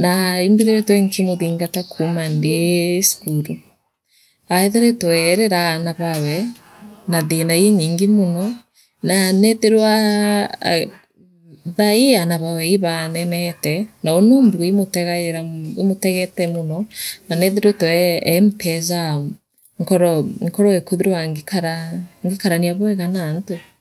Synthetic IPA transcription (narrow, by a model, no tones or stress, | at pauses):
naimbiɾeɾɛtwɛŋkimoðiŋɡatakʰumandeskuɾu | aɛðeɾɛtɔɛɾɛɾanaβawɛ | naðenaiɲiːŋɡemonɔ | nanɛðeɾwa | ðaianaβawɛiβanɛnɛtɛnaonombuimotɛɣaɾaimotɛɣɛtɛmonɔnanɛðeɾwetɔɛːmpɛza | ŋkɔɾɔŋkɔɾɔekuðiɾowaŋkaɾaŋɡikaɾaniaβwɛɣanaːnto